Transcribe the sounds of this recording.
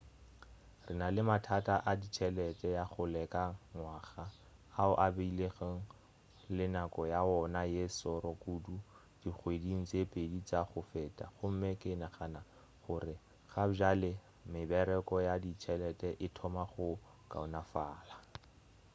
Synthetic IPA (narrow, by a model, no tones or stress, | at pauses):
rɪnalɪmatʰatʼaʔadit͡ʃʰɛlɛtʼɛjaχʊlɛkaŋwaːχaː | ʊʔabeileɣeŋ̩ | lɪnakɔjaɔnajesɔɾɔkudu | d̥ik͡xʰwediŋ̩t͡sʼepʼedit͡saχʊfɛːtʼa̰χʊm̩mekʼɪnaχana | χʊrɪ | χad͡ʒalɪ | mɪbɛɾɛkɔjadit͡ʃʰɛlɛtʼɛʔɪtʰɔmaχʊ | kʼa̰ʊnafaːla